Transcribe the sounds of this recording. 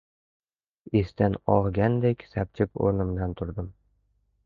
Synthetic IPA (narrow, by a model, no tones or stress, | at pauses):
est̪anɒʁɡʲand̪ekʲsæp̚t͡ʃʰɪpo̰ɾnɪmd̪ant̪ʰʊɾd̪ɪm